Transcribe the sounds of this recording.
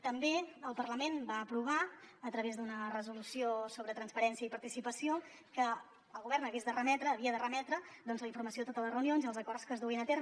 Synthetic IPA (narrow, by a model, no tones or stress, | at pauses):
t̪əmbeəlˠpərləmenbaəpɾuβ̞aət̪ɾəβezd̪unərəzulusiosoβɾət̪ɾənspəɾɛnsiəipəɾt̪isipəsio | kə | əlˠɣuβɛrnəɣezðərəmɛt̪ɾəːβiəðərəmɛt̪ɾəd̪ɔnzləiɱfurməsioðət̪ot̪ələzrəwnionziəlˠzəkɔrskəzðuinət̪eɾ